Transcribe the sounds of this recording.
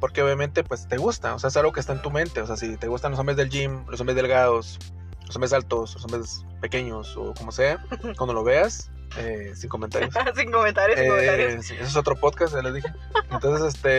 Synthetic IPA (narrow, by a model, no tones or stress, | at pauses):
po̞ɾke̞o̞βjament̪e̞pwest̪e̞ɣust̪aoseaesalɣo̞kest̪aent̪umẽ̞nt̪e̞oseasit̪e̞ɣust̪anloso̞mbɾezðe̞ld͡ʒimloso̞mbɾe̞zðelɣað̞o̞s | losombɾes̬alt̪o̞slosombɾes | pe̞ke̞ɲo̞so̰ko̞mo̞se̞akwand̪o̞lo̞βe̞as | esiŋko̞mẽnt̪a̰ɾjossiŋkomẽnt̪aɾjoaɾsies̬eso̞t̪ɾo̞poðkastelezðixe | ent̪o̞ns̬esest̪e̞